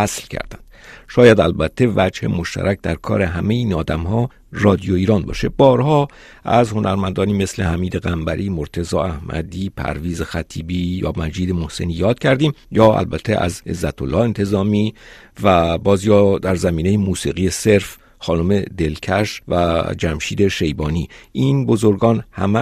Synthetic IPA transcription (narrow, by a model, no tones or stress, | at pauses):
æslcʰæ̰ɾd̪æ̰nd̪̥ʃɒːjæd̪ælbæt̪ʰːe̞væd͡ʒhemo̞ʃt̪ʰæ̰ɾʔæk̚ʰd̪æɾkʰɒ̰ːɾe̞ɦæmejiːnɒːd̪æmhɒː | rɒːd̪ijo̞iːɾɒːnbɒ̰ːʃe̞bɒːɾhɒː | ʔæzho̞nʔæɾmænd̪ɒːniːme̞slehæmiːd̪eɣæmbæɾʔiːmoɾt̪ʰe̞zɒːæhmæ̰d̪iːpʰæ̰ɾviːzexæt̪ʰiːbiːjɒ̰ːmæd͡ʒiːd̪emo̞hse̞̰niːjɒːd̪̥̚cʰæɾd̪iːmjɒːæ̰lbæt̪ʰːeʔæ̰zḛzːæt̪ʰolːɒːhe̞nt̪ʰe̞zɒːmiː | væbɒːzjɒːd̪æɾzæmiːne̞jemuːsiːɣiːje̞se̞ɾf | xɒːnome̞d̪e̞lcʰæʃvæd͡ʒæmʃiːd̪e̞ʃe̞jbɒːniːʔiːnbo̞zo̞ɾɡɒːnhæmæ